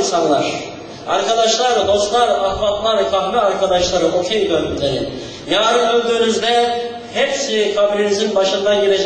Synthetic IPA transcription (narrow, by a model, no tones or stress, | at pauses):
nsanlˠaɾ̥ | a̰ɾkad̪aʃlˠaɾd̪o̞st̪lˠaɾaxmat̪lˠaɾɛkʰaɦmɛaɾkʰad̪aʃlˠaɾɯʔo̞kʰemd̪ønyt̪lʲeɾi | jaːɾɯd̪ylʲd̪yːnyzd̪ɛ | hepsikʰabilʲinizinbaʃɯnd̪anɟiɾed͡ʒ